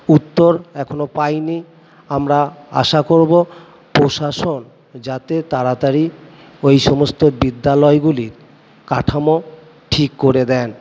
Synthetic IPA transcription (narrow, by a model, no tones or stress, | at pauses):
ut̪ːoɾɛkʰonopajni | amɾaa̰ʃakoɾbo | pɾoʃaʃon | d͡ʑat̪et̪aɾat̪aɾi | ojʃɔmost̪obid̪ːalɔeɡuliɾ | kaʈʰamo | ʈʰikːoɾed̪ɛn